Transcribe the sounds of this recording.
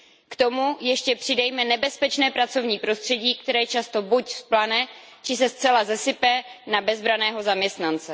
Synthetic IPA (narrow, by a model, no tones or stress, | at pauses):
kt̪o̞mujɛʃcɛpr̥ɪdajmɛnɛbɛspɛt͡ʃnɛːpɾat͡so̞vɲiːpɾo̞st̪r̝̥ɛɟiːkt̪ɛɾɛːjt͡ʃast̪o̞bucsplanɛ | t͡ʃɪsɛst͡sɛlazɛsɪpɛnabɛzbɾanɛːɦo̞zamɲɛst̪nant͡sɛ